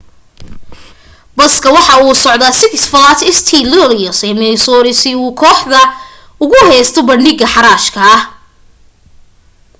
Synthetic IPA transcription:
bɐskʰɐwɑħɑuːsɔʕd̪asɪkɪsfɐlat̪ʰɪst̪ʰilɔlijɔsɛmɪnɪsɔːɾɪsɪuːkʰɔːħd̪ɐ | ʊɣʊɦɛjst̪ʰɔbɐnɖɪɡɐħɑɾaːʃkʰɐɐh

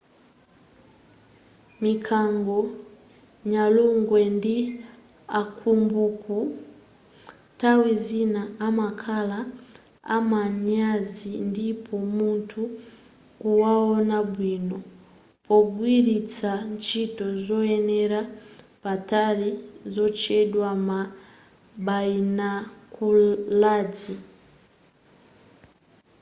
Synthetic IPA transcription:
mikʰaŋɡɔ | ɲaluŋɡwɛndi | akʰumbuku | tawizinaamakʰala | a̰maɲazindipʰɔmuntʰu | kuwaɔnabwinɔ | pɔɡwiɾit͡sant͡ʃitɔzɔɛnɛɾa | patalizɔt͡ʃɛdwama | bainakuladi

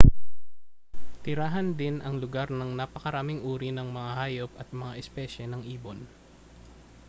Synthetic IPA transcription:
t̪ɪɾaːɦɐnd̪ɪnʔɐŋlʊɡaɾnɐŋnɐpɐkɐɾaːmɪŋʔuːɾinɐŋmɐŋahaːjop̚ɐt̪̚mɐŋaʔɛspɛʃɛnɐŋʔiːbon

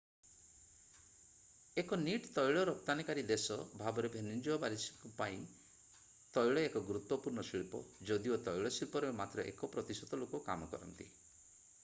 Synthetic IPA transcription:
ekɔniʈt̪ɔjɭɔɾɔp̚t̪anikaɾid̪esɔbʱabɔɾebʱenind͡ʒuabaɾisikupaĩ | t̪ɔjɭɔekɔɡuɾut̪wɔpuɾnɔsiɭpɔ̰d͡ʒɔd̪iot̪ɔjɭɔsilpɔɾemat̪ɾɔʔḛkɔpɾɔt̪isɔt̪ɔlokɔkamɔkɔɾɔ̰nt̪ḭ

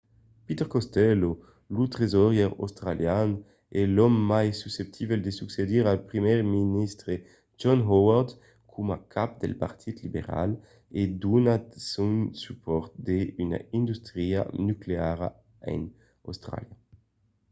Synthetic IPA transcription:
pit̪ɛʁkɔst̪ɛlo | lut̪ʁezɔʁjɛʁo̰wst̪ɾaljan | ɛlɔmːajsysep̚t̪ʰibɛld̪esyksed̪iʁalpʁimɛʁminist̪ɾe | d͡ʒɔnɦɔwaʁd̪ | kʰumakʰap̚d̪ḛlpa̰ʁt̪ʰit̪libḛʁa̰l | ed̪unasunsypɔʁt̪̚d̪eyna̰ind̪ust̪ʁia̰nykleaʁa̰ | ɛ̰n | o̰wst̪ʁa̰lja

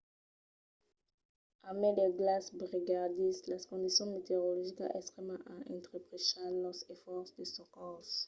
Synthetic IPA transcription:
ameleɡlasbʁiɡaʁd̪islaskɔ̃nd̪isjɔ̃met̪eʁolɔʒika̰ʔɛst̪ʁɛmãʔaɛ̃nt̪ʁepʁeʃalɔzefɔʁsd̪esɔ̃kɔs

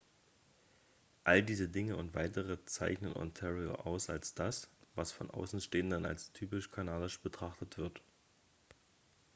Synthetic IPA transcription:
ʔaldiːzədɪŋəʊntv̥aɪtəʁət͡sa̰ɪçnənʔɔ̰ntʰɛʁio̰ʔa̰ʊsa̰lsd̥asvasfɔnʔa̰ʊsn̩ʃteːəndəna̰lstʰyːpɪʃkʰanaːdɪʃb̥ətʁ̥aχtətv̥ɪɐt

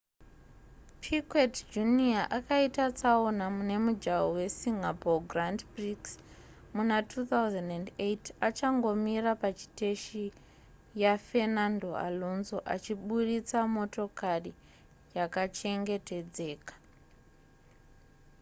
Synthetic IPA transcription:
pʰikwetd͡ʒuniaʔakaitat͡sao̞namune̞mud͡ʒaowe̞siŋapoɡrandbriks | munatʰut̪awzandandetat͡ʃaŋɡo̞mirapat͡ʃi̥te̞ʃi | jafe̞nando̞a̰lo̞nzoʔa̰t͡ʃiɓuɾit͡samo̞to̞kari | jakat͡ʃe̞ŋɡe̞te̞d͡ze̞ːkḁ

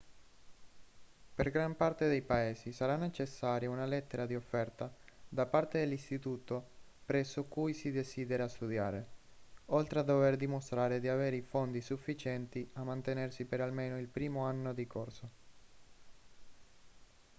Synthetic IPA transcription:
perɡɾampart̪ed̪ejpaeːsisaɾanːet͡ʃesːaːɾjaunalɛt̪ːeɾad̪iofːɛrt̪ad̪apart̪ed̪elːist̪it̪uːt̪o | pɾɛsːokujsid̪esiːd̪eɾast̪ud̪ja̰ːɾe | olt̪ɾead̪ːoverd̪imost̪ɾaːɾed̪iaveːɾeifond̪isufːit͡ʃɛnt̪iamːant̪enersipeɾalmeːnoilpɾiːmoanːod̪ikorso

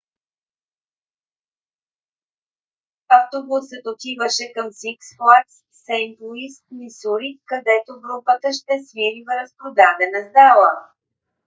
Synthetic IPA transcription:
aft̪obusət̪ot̪ʲivəʃɛkəmsiksplˠasːɛjmpluist̪misuɾikɐd̪ɛt̪oɡɾupət̪əʃt̪ɛsviɾivəɾəspɾod̪ad̪ɛnəzd̪alˠə

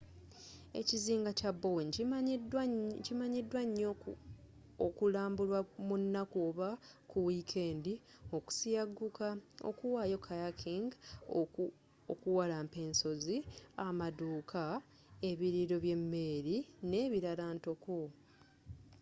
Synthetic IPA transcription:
e̞̰ciziːŋɡacabːowɲ | cimaɲidwaɲːo | okulaːmbulwamunːakuβa | kuwikʰe̞ːndi | o̞ku̥sijaɡːukao̰kuwaːjo̞kʰajakʰiŋɡ | okuwalaːmpe̞ːnso̞ziamaduːkʰa | e̞βiɾiɾo̞βje̞mːe̞ɾine̞ːβiɾalaːnto̞ko

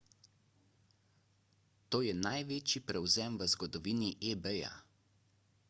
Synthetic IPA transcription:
t̪oːjɛnajʋeːt͡ʃipɾɛwzɛmʋəzɡɔd̪ɔʋiːniʔebɛja̰

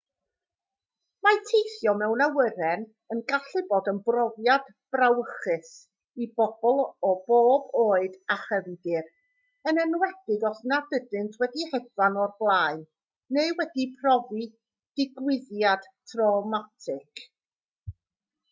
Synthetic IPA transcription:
matʰejθjɔmɛwnawəɾɛn | ənɡaɬɨboːdənbrɔvjad | b̥rawəχɨs | ibɔb̥ɔlˠɔboːboːɨdaχəvɡɪr | ənənwɛd̥ɪɡɔθnadədɨntʰwɛdihɛdvanɔrblˠaːɨnː | eɨwɛdipʰrɔvi | d̥ɪɡwɪðjad̥tʰrɔmatʰɪkʰ

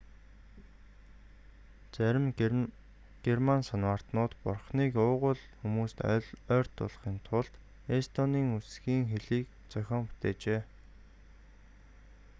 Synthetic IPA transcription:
t͡sæɾʲɪ̆m | ɡ̥ermansanwaːr̥t̪nʊːt̪pʊrχniːkʊːʁʊ̆ɮ | xumuːst̪œ̰ɮœːr̥t̪ːʊ̰ɮχiːnt̪ʰʊɮt̪ | est̪ʰɔniːŋusɡiːŋxeɮiːk | t͡sœxʲɔːmpu̥t̪eːt͡ɕeː

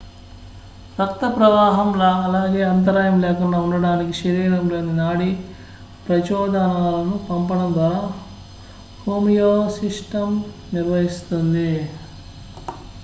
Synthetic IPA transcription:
ɾɐkt̪ɐpɾɐʋaːɦɐmlɐɐlaːɡe̞ːɐnt̪̬ɐɾaːjɐmlɛːkuɳɖaːuɳɖɐɽaːnikiʃɐɾiːɾɐmlo̞ːninaːɽi | pɾɐt͡ʃɔːd̪anaːlɐnupɐmpɐɽɐnd̪aː | hoːmijoːsiʂʈɐm | niɾʋɐɦist̪und̪i

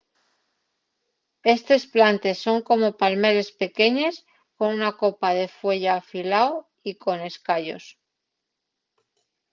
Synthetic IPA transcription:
e̞st̪e̞splant̪e̞sːo̞ŋko̞mo̞palme̞ɾe̞spe̞ke̞ɲe̞s | ko̞nunako̞paðe̞fwe̞ʎaːfilao | iko̞ne̞skaʎo̞̰s

